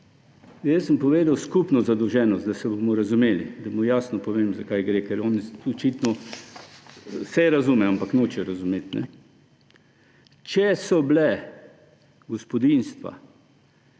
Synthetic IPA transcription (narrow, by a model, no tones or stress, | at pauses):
jəsəmpɔʋeːd̪awskupnɔzad̪ɔwʒɛːnɔst̪d̪asɛbomɔɾazumeːlḭd̪amujaːsnɔpɔʋeːmzakajɡɾekɛɾɔnɔt͡ʃit̪nɔ | sɛɾazumɛampaknoːt͡ʃɛɾazumeːt̪nɛ̰ | t͡ʃɛsɔblɛ | ɡɔspɔd̪inst̪ʋa̰